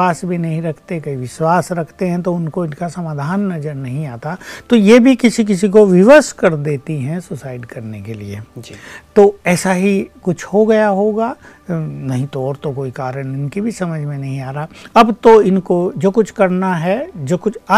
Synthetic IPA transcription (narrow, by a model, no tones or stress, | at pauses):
aːsbʱinɐɦĩɾɐkʰt̪ekɐiʋɪʃwaːsɾɐkʰt̪eɦɛ̃t̪̬oʊnkoɪnkasɐmaːd̪ʱaːnːɐzəɾnɐɦĩaːt̪at̪ojeːbʱikɪsik̬ɪs̬ik̬oʋɪʋəskɐɾd̪eːt̪iɦɛ̃sʊsaːɪɖkɐɾnekeliḛd͡ʒt̪oːɛːsaɦikʊt͡ʃʰhoɡɐjaɦoːɡaː | nɐɦĩt̪oɔːɾt̪okoːikaːɾəñɪnkibʱisɐməd͡ʒʱmẽnɐɦĩaːɾaaɐbt̪oɪnkod͡ʒoːkʊt͡ʃʰkɐɾnaɦɛd͡ʒoːkʊt͡ʃʰaː